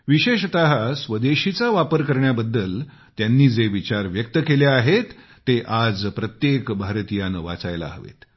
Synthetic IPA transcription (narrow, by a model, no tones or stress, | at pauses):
ʋiɕeɕt̪aɦasʋəd̪eɕit͡saʋapəɾkəɾɳjabəd̪ːəl | t̪janːiːd͡zeʋit͡ɕaɾʋjək̚t̪əkeleaɦet̪ː | eʔad͡zpɾət̪jekbʱaɾt̪ijanʋa̰t͡sajla̰ɦə̰ʋḛt̪